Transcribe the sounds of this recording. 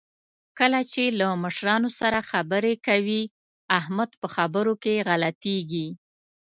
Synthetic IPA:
kəlat͡ʃelaməʃɾɑnosaɾaxabəɾekawi | ahmad̪pəxabəɾokeɣalat̪eɡi

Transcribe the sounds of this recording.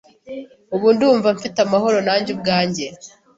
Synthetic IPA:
uβuːnduːɱvaɱfitamaho̞ɾo̞naːɲɟub̚ɡaːɲɟe̞

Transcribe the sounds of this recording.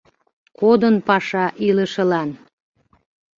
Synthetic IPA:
kod̪ənpɑʃɑʔiləʃə̆lɑn

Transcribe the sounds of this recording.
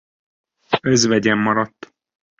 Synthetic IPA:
øzvɛɟɛmːɒɾɒt̪ː

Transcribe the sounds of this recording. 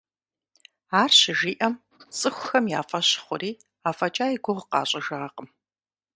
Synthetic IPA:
aːrɕɪʒiːʔɐm | t͡sʼɨxʷʊxɐmja̰ːfɐɕɪ̥χʷʊɾiː | aːfɐt͡ʃʼaːiɡʷʊʁqɑ̰ːɕʼɐʒɐʁɐqəm

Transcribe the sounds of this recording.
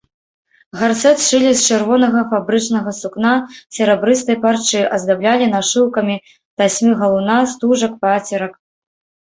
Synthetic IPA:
ɣarsɛt̪ʂɨlʲist͡ʂɨrvɔnɐɣɐfabɾɨt͡ʂnɐɣɐsuknasʲɛɾɛbɾɨst̪ɐjpart͡ʂɨʔɐzd̪ablʲalʲinaʂɨwkɐmʲi | t̪asʲmʲiɣɐlˠunast̪uʐɐk̚pat͡sʲɛɾɐk

